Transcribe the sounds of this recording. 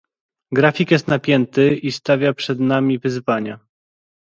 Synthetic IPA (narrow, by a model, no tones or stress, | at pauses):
ɡɾafʲikjɛst̪napʲjɛnt̪ɘist̪avʲjapʂɛd̪namʲivɘzvaɲa